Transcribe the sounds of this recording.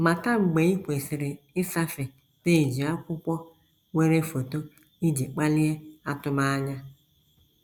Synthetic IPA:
ma˨ta˦ŋ͡m̩˨ɡ͡be˨˦i˦kʷe˨sɪ˨ɾɪ˨ | ɪ˦sa˦fɪ˨ | te˦˨d͡ʒi˨a˦kʷʊ˦kʷɔ˦ | we˦ɾe˦fo˨to˦ | i˦d͡ʒi˨k͡pa˦lɪ˦e˦a˦tʊ˦ma˦a˦ɲa˦

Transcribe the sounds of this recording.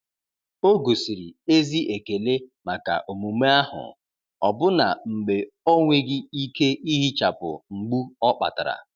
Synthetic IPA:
o˦ɡo˨si˨ɾi˨e˦zi˦ʔe˨ke˨le˦ma˨ka̰˨ʔo˨mu˨me˦a˦ɦʊ̰˨ | ɔ˨bʊ˦na̰˨ŋ͡m̩˨ɡ͡be˨ | o˦ŋʷe˦ɡɪ˦i˦ke˦i˦ɦi˦t͡ʃa˨pʊ̰˨ŋ͡m̩˨ɡ͡bu˦ɔ˦k͡pa̰˨ta̰˨ɾa̰˨

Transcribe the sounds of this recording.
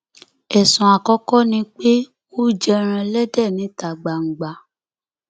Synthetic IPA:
ɛ˨sũ˨a˨kɔ˧kɔ˦nĩ˧k͡pe˦ | o˦d͡ʒɛ˧ɾ̃ã˧lɛ˦dɛ˦˨nĩ˨˦ta˨ɡ͡ba˨ŋ̩˨ɡ͡ba˧

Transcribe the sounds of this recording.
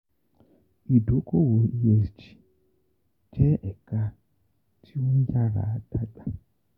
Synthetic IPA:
i˨do˨˦ko˦wo˨i˨˦jɛ˨sd͡ʒi̥˨ | d͡ʒɛ˦ʔɛ˨ka˧ | tʰi˦o˦n̩˦d͡ʒa˦ɾa̰˨˦d̥a˦ɡ͡ba˦

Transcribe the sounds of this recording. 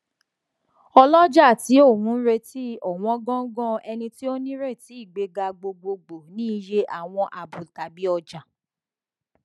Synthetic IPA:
ɔ˧lɔ˦d͡ʒa˦˨ti˨˦o˦˨wũ˨˦ɾe˧ti˦ɔ˦˨w̃ɔ̃˨˧˦ɡɔ̃˦ɡɔ̃˦ɛ˧nĩ˧ti˦o˦nĩ˦ɾe˦˨ti˨˦i˦˨ɡ͡be˧ɡa˧ɡ͡bo˧ɡ͡bo˧ɡ͡bo˨nĩ˦˧˦je˦ʔa˦˨w̃ɔ̃˧ʔa˨bu˨ta˨bi˨˦ɔ˧d͡ʒa˨

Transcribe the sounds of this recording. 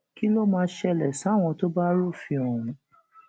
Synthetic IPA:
ki˦lo˦mãː˧˦ʃɛ˧˨lɛ˨sa˨˦˨w̃ɔ̃˧to˦ba˦ɾu˦˨fĩ˧ɔ˨ɾũ˨˦

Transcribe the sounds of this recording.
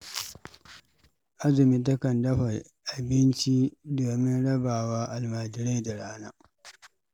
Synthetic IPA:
ʔa˦zɐ˨mi˨t̬ɐ˦kɐ˨ndɐ˦ɸa˨j | ʔa˨bɪ˦nt͡ʃi˦doː˨mɪ˦nɽɐ˦baː˨waː˦ʔa˨lmaː˨d͡ʒɪ˦ɾa˦jda˨ɽaː˦naː˦

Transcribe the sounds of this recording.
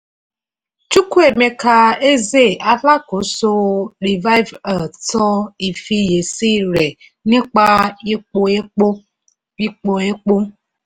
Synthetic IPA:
t͡ʃu˦ku˦e˨me˨ka˧e˦ze˦˨a˦la˦ko˨˦so˧ɾi˨va˦jva˨tɔ˦i˨fi˧je˨si˦ɾe˨ | nĩ˦k͡pa˦ | i˦k͡po˧e˦k͡po˦

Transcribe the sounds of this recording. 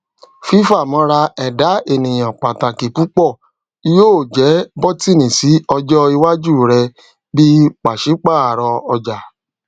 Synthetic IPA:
fi˦fa˦˨mɔ̃˧˦ɾa˧ɛ˨da˨˦e˨nĩ˨j̃ã˨k͡pa˨ta˨ki˨pu˨˦k͡pɔ˦˨ | i˧˦joː˦˨d͡ʒɛ˨˦bɔ˦ti˦˨nĩ˨si˨˦ɔ˧d͡ʒɔ˦i˧wa˦d͡ʒu˦˨ɾɛ˧ | bi˦k͡pa˨ʃi˨˦k͡pa˦˨a˨ɾɔ˧ɔ˧d͡ʒa˨

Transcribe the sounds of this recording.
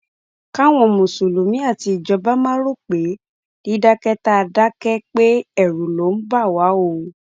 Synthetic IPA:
ka˦w̃ɔ̃˨mũ˨su˨lu˨mĩ˨˦a˦˨ti˧i˨d͡ʒɔ˨˧˦ba˦mã˦ɾo˦k͡pe˨˦ | n̥i˦da˦kɛ˦ta˦˧da˦kɛ˦k͡pe˦ɛ˦˨ɾu˨lo˨˦m̩˦ba˦˨wa˨˦o˦˨

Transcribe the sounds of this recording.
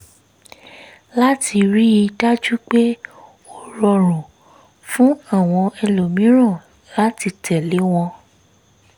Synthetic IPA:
la˦ti˧ɾi˦i˧da˦d͡ʒu˦k͡pe˦ | o˦˨ɾɔ˧ɾ̃ũ˨ | fũ˦a˦˨w̃ɔ̃˧ɛ˧lo˨mĩ˨˦ɾ̃ɔ̃˦˨ | la˦ti˧tʰɛ˨le˨˦w̃ɔ̃˧

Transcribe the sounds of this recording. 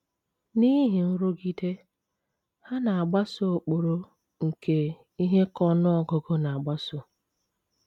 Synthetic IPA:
ni˦ɦi˨n̩˦ɾʊ˦ɡi˦de˦ | ha˦na˨a˨ɡ͡ba˦so˦o˨k͡po˨ɾo˦ | ŋ̩˨kʰe˨ | i˦ɦe˦kɔ˦nʊ˦ɔ˨ɡɔ˨ɡo˦na˨a˨ɡ͡ba˦sʊ˦

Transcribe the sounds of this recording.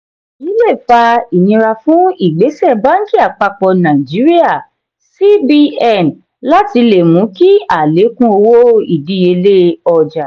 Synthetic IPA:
i˨˦le˦˨fa˧i˨nĩ˧ɾa˧fũ˦i˦˨ɡ͡be˨˦sɛ˦˨ba˦n̩˦d͡ʒi˦˨a˨k͡pa˧k͡pɔ˧nã˨i˨d͡ʒi˨˦ɾi˦a˦˨ | si˦bi˧ɛ˦˨n | la˦ti˧le˨mũ˨˦ki˦a˨le˨˦kũ˦o˧wo˦i˦˨di˨˧˦je˧le˦ɔ˨d͡ʒa˨

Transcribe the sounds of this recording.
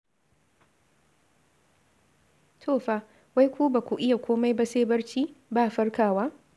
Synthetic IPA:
tʰoː˦˨ɸaː˦ | wa˦jkʷuː˦ba˨kʷu˨ʔɪ˦ja˨kʷoː˦ma˦jba˦seː˦bɐ˦rt͡ʃiː˦baː˦˨ɸɐ˦rkaː˨waː˦

